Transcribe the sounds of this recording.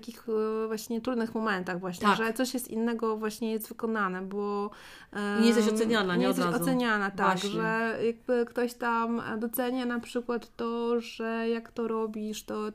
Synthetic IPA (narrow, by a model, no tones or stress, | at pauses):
takʲixvwaɕɲɛt̪ɾud̪nɘxmɔmɛnt̪aɣvwaɕɲɛʐɛt̪sɔɕjɛst̪inːɛɡɔvwaɕɲɛjɛst̪vɘkɔnanɛbɔ | jɛst̪ɛɕɔsɛɲanaɲɛst̪ɛzɔsɛɲanat̪aɡʐɛjaɡ̚bɘkt̪ɔɕt̪amd̪ɔt̪sɛɲanapʂɘkwat̪ːɔʐɛjakt̪ɔɾɔbʲiʂt̪ɔ